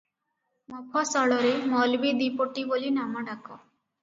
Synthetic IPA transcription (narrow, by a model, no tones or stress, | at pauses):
mɔpʰɔsɔɭɔɾemɔlbid̪ipoʈibolinamɔɖakɔ